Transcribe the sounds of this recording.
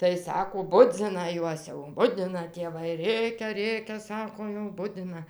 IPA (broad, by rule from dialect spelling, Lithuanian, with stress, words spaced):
tɐɪ ˈsɑːkoː ˈbʊd͡zʲɪnɐ ˈjuɔs jɛʊ ˈbʊdʲɪnɐ tʲeːˈʋɐɪ ˈrʲeːkʲɛ ˈrʲeːkʲɛ ˈsɑːkoː jɛʊ ˈbʊdʲɪnɐ